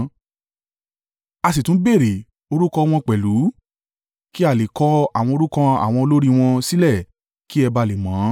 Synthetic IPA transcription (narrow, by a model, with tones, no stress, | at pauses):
a˧s̬i˨tũ˨˦be˦˨ɾe˨ | o˧ɾu˦kɔ˧w̃ɔ̃˧k͡pɛ˨lu˨˦ | ki˦a˦˨le˨kɔ˧a˨w̃ɔ̃˧o˧ɾu˦kã˧a̰˨w̃ɔ̃˧o˧lo˦ɾi˦˧w̃ɔ̃˧si˦lɛ˦˨ | ki˦ɛ˧ba˧le˨mãː˨˦